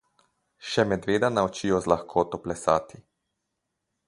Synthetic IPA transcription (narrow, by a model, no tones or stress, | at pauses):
ʃɛmɛd̪ʋeːd̪anaɔt͡ʃiɔzlaxkʰoːt̪ɔplɛsaːt̪i